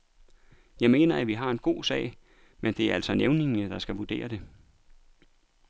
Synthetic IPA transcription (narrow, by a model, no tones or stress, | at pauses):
jɑ̈ɪme̝̰ːnɐæʋiɦɑ̈e̝nɡ̥o̝̰ːsɛ̰ːɪ | mend̥e̝æɐælsɒneʊne̝ŋnəd̥ɑ̈sɡ̥æʋud̥e̝̰ːɐd̥e̝